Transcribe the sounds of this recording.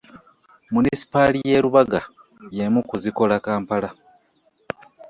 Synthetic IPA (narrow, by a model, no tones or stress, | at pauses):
munisi̥palije̞ɾuβaɡa | jemukuziko̞lakaːmpala